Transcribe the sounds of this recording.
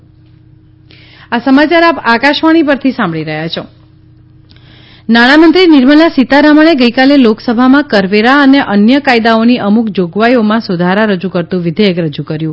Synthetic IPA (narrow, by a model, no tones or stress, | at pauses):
asəmat͡ʃaɾapakaʃʋaɽ̃ipəɾt̪ʰisãmbɭiɾəɦjat͡ʃʰo | naɽ̃amənt̪ɾinɪɾməlasit̪aɾaməɽ̃eɡəjkaleloksəbʱamãkəɾʋeɾaəneʔənjəkajd̪aoniʔəmukd͡ʒoɡʋajomãsud̪ʱaɾaɾəd͡ʒukəɾt̪ũʋɪd̪ʱəjəkɾəd͡ʒukəɾjũ